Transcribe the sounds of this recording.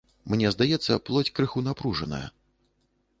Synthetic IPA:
mnʲɛzd̪ajɛt̪sːɐplˠɔt͡sʲkɾɨxunapɾuʐɐnɐ̰jɐ̰

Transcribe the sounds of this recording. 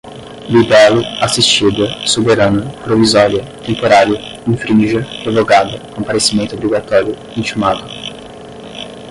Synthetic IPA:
lid̪ɛlʊasist͡ʃid̪ʊsobeɾanɐpɾovizɔɾjɐt̪ẽmpoɾaɾjʊ | ĩŋfɾĩʒɐevoɡad̪ɐkõpaɾesimẽnt̪ʊobɾiɡat̪ɔɾjʊ | ĩnt͡ʃimad̪ʊ

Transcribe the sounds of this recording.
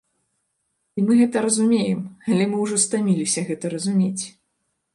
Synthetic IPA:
imɨɣɛt̪ɐɾɐzumʲejɛmalʲɛmɨwʐɔst̪amʲilʲisʲɐɣɛt̪ɐɾɐzumʲet͡sʲ

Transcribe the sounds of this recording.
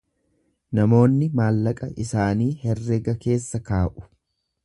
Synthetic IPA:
nɐmo̞ːnːɪmaːlːɐkʼɐʔɪsaːniːhɛrːɛɡɐke̞ːsːɐkaːʔʊ̥

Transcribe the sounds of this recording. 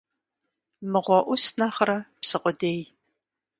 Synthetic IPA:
mɨʁʷɔʔʷʊsnaχɾɐpsɨqʷʊdeːj

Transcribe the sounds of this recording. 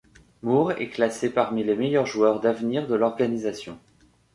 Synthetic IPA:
muʁɛ̰klasepaʁmilemejœʁʒuœʁd̪avniʁd̪əlɔʁɡanizasjɔ̰̃

